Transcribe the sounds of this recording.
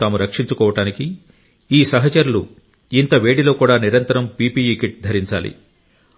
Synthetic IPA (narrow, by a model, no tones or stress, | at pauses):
t̪aːmuɾɐkʂiɲt͡ʃukɔːʋɐʈaːniki | iːsɐɦɐt͡ʃɐɾulu | int̪ɐʋe̞ːɽilo̞ːkuːɽaːniɾɐnt̪ɐɾɐmpiːpiːikiʈ̚d̪ʱɐɾiɲt͡ʃa̰ːlḭ